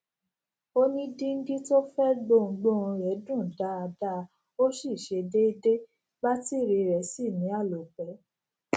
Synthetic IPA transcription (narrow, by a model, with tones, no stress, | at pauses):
o˦nĩ˦dĩ˦ŋ̩˦ɡi˦to˦fɛ˦ɡ͡bo˦˨ŋ̩˧˦ɡ͡bo˦˨ũ˧ɾɛ˨˦dũ˦˨da˦a˧da˦˧ | o˦ʃi˦˨ʃe˧de˦i˧de˦ | ba˦ti˦˨ɾe˧ɾɛ˨˦si˦˨mĩ˨˦a˦˨lɔ˨k͡pɛ˨˦